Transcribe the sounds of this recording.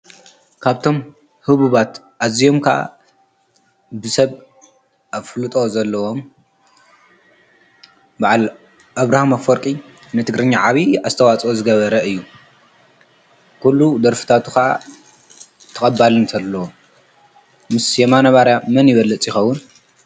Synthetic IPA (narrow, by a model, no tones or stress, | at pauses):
kʰaβt̪ʰo̞m | hɨβuβat̪ | ʔazijo̞mkʰɐʔa̰ | bɨsɐβ | ʔaβflɨt̪ʼo̞zɐlːɐwo̞m | baʕal | ʔaβɾahamafoɾkʼi | nɨt̪ʰɨɡɾɨɲːaʕaβiazɨt̪ʰɐwat͡sʼozɨɡɐβɐɾɐɨjːu | kʰulːud̪ɐɾfɨ̥t̪ʰat̪ʰukɐʔa̰ | t̪ʰɐkʼɐbːalɨnt̪ʰɐlːɐwo | mɨsjemanɐβaɾjamɐnjɪβɐlːɐt͡sʼjɪxɐwːʊn